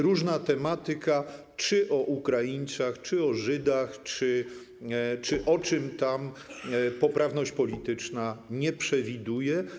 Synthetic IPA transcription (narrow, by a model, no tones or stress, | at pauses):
ɾuʐnat̪ɛmat̪ɘka | t͡ʂɘʔɔʔukɾajiɲt̪saxt͡ʂɘɔʐɘd̪axt͡ʂɘ | t͡ʂɘʔɔt͡ʂɘmt̪am | pɔpɾavnɔɕt͡ɕpɔlʲit̪ɘt͡ʂnaɲɛpʂɛvʲid̪ujɛ